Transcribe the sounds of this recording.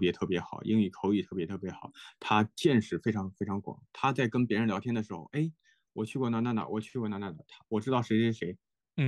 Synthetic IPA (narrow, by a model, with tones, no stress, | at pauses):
pjɛ˧˥t̪ʰɤ˥˩pjɛ˧˥xɑ˨˩ʊʔḭ˥ŋy˨˩kʰo˧˥ʊy˨˩t̪ʰɤ˥˩pjɛ˧˥t̪ʰɤ˥˩pjɛ˧˥xɑ˨˩˦t̪ʰa˥t͡ɕjɛ˥˧nʂɻ̩˥˩fe˥ɪʈ͡ʂʰɑ˧˥ŋfe˥ʈ͡ʂʰɑ˧˥ŋkwɑ̰˨˩˦ŋt̪ʰa˥t͡sa˥˩ɪkə˥npjɻə˧˥nljɑ˧˥t̪jɛ˥nd̪ə˨ʂɻ̩˧˥xo̰˥˧ʊʔe˥˩ɪ | wɔ˨˩t͡ɕʰy˥˧kwɔ˥˧na˥na˥˩nd̪ə̰˩wɔ˨˩t͡ɕʰy˥˧kɔ˥˧na˧˥na˥˩nd̪ə˨˩t̪ʰa˥wɔ˨˩ʈ͡ʂɻ̩˥t̪ɑ˥˩ʊʂɻʂɻ̩˥ʂe˧˥ɪ˥˩